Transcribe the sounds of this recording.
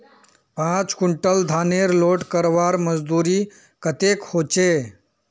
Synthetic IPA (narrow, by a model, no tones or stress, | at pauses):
pãt͡skuɳʈəld̪ʱaːneɾloːʈkəɾʋaːɾməd͡zd̪uːɾiː | kət̪eːkhoːt͡ʃe